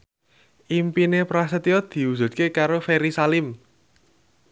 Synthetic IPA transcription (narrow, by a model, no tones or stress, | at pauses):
ʔimpinepɾasət̪jɔd̪̥i̤uzṳt̪̚kekaɾofeɾisalɪm